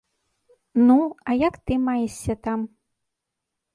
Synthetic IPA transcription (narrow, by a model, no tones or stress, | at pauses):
nuɐjakt̪ɨmajɛʂʲɐt̪am